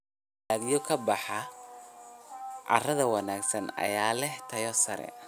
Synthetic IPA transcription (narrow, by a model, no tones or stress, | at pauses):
aːðijɔkʰɐbɑħɑ | ʔɑ̰rɐðɐwɑnaːɡsɐnɐ̰jaːlɛht̪ʰɐjɔsɐɾɛ̰